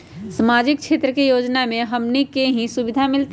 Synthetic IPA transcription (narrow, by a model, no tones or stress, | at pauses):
səmaːd͡ʒɪk̚kʃʰeːt̪ɾəkejoːd͡ʒnamẽɦəmnikeɦĩsʊbɪd̪ʱamɪlt̪